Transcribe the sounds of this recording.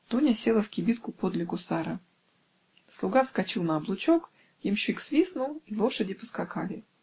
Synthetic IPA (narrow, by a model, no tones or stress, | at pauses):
t̪unʲəsʲe̞lˠəfkʲɪbʲit̪kʊpod̪lʲɪkʊsaɾə | slˠʊɡaskɐt͡ɕilˠnəɐblˠʊt͡ɕo̞k | jɪmɕiksvʲisnʊlˠilˠo̞ʂədʲɪpə̥skɐkalʲɪ